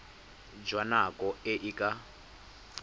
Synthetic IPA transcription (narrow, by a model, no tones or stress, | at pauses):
d͡ʒwanakʼɔɛʔikʼa